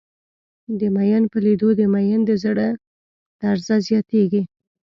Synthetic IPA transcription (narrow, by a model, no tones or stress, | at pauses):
d̪əmajɑnpəlid̪od̪əmajɑnd̪əzaɽə | d̪̥aɾzazjɑt̪eɡi